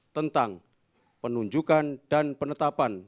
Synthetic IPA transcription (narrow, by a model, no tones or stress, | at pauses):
t̪ənt̪aŋ | pənuɲd͡ʒukandanpənət̪apan